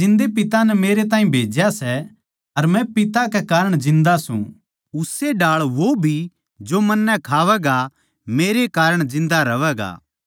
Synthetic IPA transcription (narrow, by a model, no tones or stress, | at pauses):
d͡ʒɪ̃nd̪epɪt̪anɛmeːɾet̪̬ãːĩbʱeːd͡ʒjasɛ | ɐɾmɛ̃pɪt̪akɛkaːɾəɽ̃d͡ʒɪ̃nd̪asṵ̃ | ʊseɖaːɭʋobʱi | d͡ʒomɐnːɛkʰaːʋɛːɡa | meːɾekaːɾəɽ̃d͡ʒɪ̃nd̪aɾɐʋɛːɡa̰ː